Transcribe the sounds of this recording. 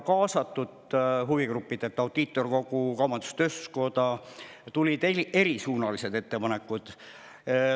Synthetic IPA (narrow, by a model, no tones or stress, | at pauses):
kɑːsɑt̪ːˑud̪̥ɦuviɡrupːid̪̥et̪ːˑɑwd̪̥iːt̪ːˑo̞rko̞ɡ̥ukɑmɑnd̪u̥st̪øsko̞d̪ɑt̪ulʲid̪̥eie̞ɾisuːnɑlise̞d̪e̞t̪ːe̞pɑnekːˑud̪̥